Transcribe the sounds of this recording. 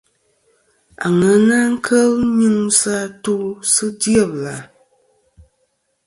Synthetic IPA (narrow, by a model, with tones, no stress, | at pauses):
a̰˨ŋə˨˦na˦ŋ̩˦kʰə˦lɲɨ˦ŋsa˦tu˦sɨ˦djə˦˨bla˨